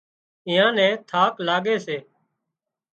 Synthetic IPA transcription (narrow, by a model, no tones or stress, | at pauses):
ɪ̃ːãːnɛ̃ːt̪ʰaːklaːɠeːseː